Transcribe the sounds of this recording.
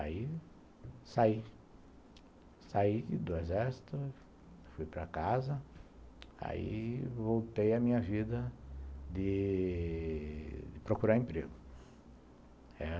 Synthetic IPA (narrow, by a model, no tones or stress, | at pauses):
ai | sai | said̪oezɛɾsi̥t̪ʊ | fujpɾɐ̰kazɐ | a̰ḭvowt̪ejɐmĩɲɐvid̪ɐd̪ɪ | d̪ɪpɾokuɾaɾẽpɾeɡʊ | ɛ